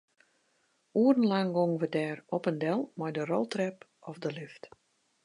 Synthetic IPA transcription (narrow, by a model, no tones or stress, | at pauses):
uərn̩laŋɡoŋʋədɛːrɔpəndɛlˠmɔjdərolˠtrɛp | ɔfdəlɪft